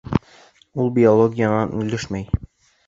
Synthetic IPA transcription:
ulˠbʲiolˠoɡʲijənɑnʉlɘʃmæj

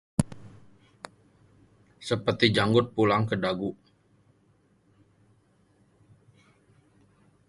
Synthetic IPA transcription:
səpərt̪id͡ʒaŋɡʊt̪̚pulaŋkədaɡuʔ

